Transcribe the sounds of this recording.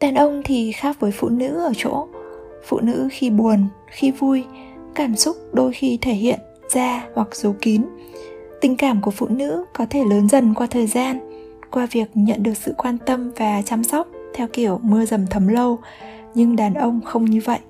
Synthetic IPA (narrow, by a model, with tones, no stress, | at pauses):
ɗaː˨˩nʔə˧wŋ͡mt̪ʰi˨˩xaː˦˥k̚vəː˨˦jfṵ˧˨nɨ̰˧˥ʔəː˧˩t͡ɕo̰˧˥ | fṵ˧˨nɨ̰˧˥xi˧ɓu˨˩ən | xi˧vu˧j | kaː˧˩msʊ˦˥k͡p̚ɗo˧jxi˧t̪ʰe˧˩hḭ˧˨ən | z̥aː˧hwa˨˩k̚z̥ə˨˦wki˨˦n | t̪ï˨˩ŋ̟kaː˧˩mku˧˩əfṵ˧˨nɨ̰˧˥kɔ˨˦t̪ʰe˧˩ləː˨˦nzə˧˩nkwaː˧t̪ʰəː˨˩jzaː˧n | kwaː˧vi˨˩ək̚ɲə̰˧˨nɗɨ˨˩ək̚sɨ̰˧˨kwaː˧nt̪ə˧mvaː˨˩t͡ɕa˧msɔ˦˥wk͡p̚t̪ʰɛ˧wki˧˩əwmɨ˧əzə˨˩mt̪ʰə˨˦mlə˧w | ɲɨ˧ŋɗaː˨˩nʔə˧wŋ͡mxə˧wŋ͡mɲɨ˧və̰˧˨jʔ